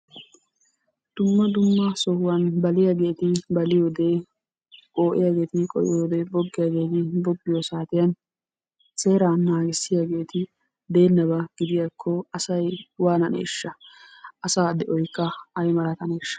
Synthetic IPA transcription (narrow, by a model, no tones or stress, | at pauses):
d̪̥ʊmːɐd̪ʊmːɐsɔhʊwɐnbɐlɪjaɡe̞ːt̪ɪbɐlɪjoːd̪e | kʼo̞ːʔɪ̰jaɡe̞ːt̪ɪkʼɔ̰jɪ̰joːd̪ɛbɔɡːɪjaɡe̞ːt̪ɪbɔɡːɪjosaːt̪ɪjɐn | se̞ːɾaːnːaːɡɪsːɪjaɡe̞ːt̪ɪ | d̪e̞ːnːɐbɐɡ̥ɪd̪ɪjakʰːɔɐsɐjwaːnɐnḛːʃːɐʔɐsaːd̪ɛʔɔjkːɐɐjmɐlɐt̪ɐneːʃːɐ̥